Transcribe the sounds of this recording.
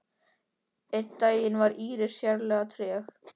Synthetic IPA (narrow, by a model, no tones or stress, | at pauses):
ɪt̪t̪ːaːjɪnvaɾiːɾɪ̥sjaɾlɛːɣat̪ʰɾɛːx